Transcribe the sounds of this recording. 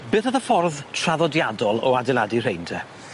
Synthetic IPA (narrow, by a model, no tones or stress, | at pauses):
b̥ɨːθəðəfɔrðtʰr̥aðɔdjadɔlˠɔ̰adɛlˠadir̥ejntʰɛ